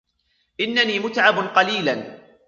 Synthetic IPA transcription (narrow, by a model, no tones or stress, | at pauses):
ʔɪnːaniːmʊt̪ʕabnqɑliːlan